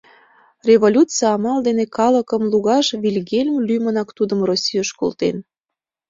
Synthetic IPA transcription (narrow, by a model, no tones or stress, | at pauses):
rʲeβolʲut͡sɨɑɑmɑld̪enekɑləkəmluɣɑʃβʲilʲɣelʲmlʲymənɑkt̪ud̪əmrosʲijəʃkolt̪en